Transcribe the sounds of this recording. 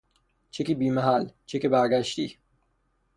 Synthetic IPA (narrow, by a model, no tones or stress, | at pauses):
t͡ʃʰekibiːmæɦælt͡ʃʰekibæɾɡæʃt̪iː